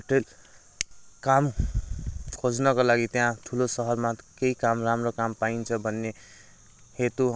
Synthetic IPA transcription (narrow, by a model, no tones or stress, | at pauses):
ʈel | kam | kʰod͡znʌkolaɡit̪jãʈʰulosʌɦʌrmakeikamramrokampaint͡sʰʌbʱʌnːe | het̪u